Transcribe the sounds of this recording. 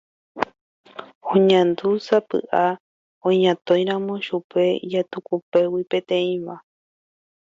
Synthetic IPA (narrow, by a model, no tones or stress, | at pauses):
õɲãnd̪usapɨ̰ʔa | õɲãt̪õ̞j̃ɾãmõʃupe̞d͡ʒat̪ukupe̞wipẽ̞t̪ẽ̞ĩʋa